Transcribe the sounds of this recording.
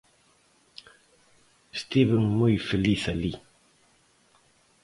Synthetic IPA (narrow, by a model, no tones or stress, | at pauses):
st̪iβəŋmojfeliθali